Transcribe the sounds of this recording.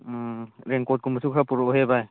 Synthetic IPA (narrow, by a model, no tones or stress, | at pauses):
ɾeŋkɔt̚kumbasukʰɾapuɾɔɦebaj